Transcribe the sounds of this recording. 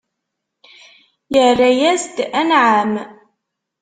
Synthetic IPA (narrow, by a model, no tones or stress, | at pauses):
jərːajæzd̪ænʕam